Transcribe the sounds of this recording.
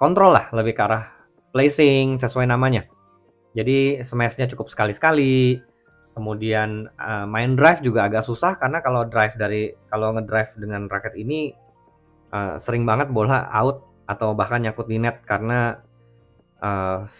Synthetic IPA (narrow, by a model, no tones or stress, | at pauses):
kɔnt̪ɾɔlːahləbɪhkaɾah | plesɪŋsəsuwajnamaɲa | d͡ʒadisəmɛsɲat͡ʃukʊp̚sə̥kalisə̥kali | kəmudianəmaɪndɾajfd͡ʒuɡaːɡaʔsusahkarənakalodɾajfdaɾikaloŋədɾajfdəŋanrakɛt̪ini | ʔə̰səɾɪŋbaŋət̪̚bola̰a̰ʊt̪̚ | at̪awbahkanɲakʊt̪̚dinɛt̪̚kaɾəna | ʔə